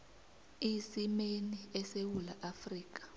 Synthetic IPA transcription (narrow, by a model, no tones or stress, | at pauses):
isimeniɛsewula̰ʔafriːk̬ḁ